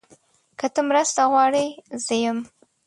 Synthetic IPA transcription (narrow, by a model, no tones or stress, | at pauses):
kət̪əmɾəst̪aɣwɑɽəjzəjəm